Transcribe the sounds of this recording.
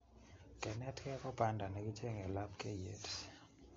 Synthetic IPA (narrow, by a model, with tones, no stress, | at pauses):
kɛ˨nɛ˦tkɛ˦kɔ˦pa˨nda˨nɛ˨ɡi˦t͡ʃe˦ŋɡɛ˨la˦pkɛ˦jḛ˨˦t